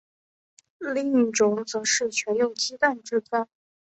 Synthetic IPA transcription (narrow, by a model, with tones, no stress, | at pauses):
li˥˩i˥˩ʈ͡ʂʊ˧˥ŋt͡sɤ˧˥ʂɻ̩˥˩t͡ɕʰɥɛ˧˥njʊ˥˩ŋt͡ɕi˥t̪a˥˧nʈ͡ʂɻ̩˥˧t͡sa˥˩n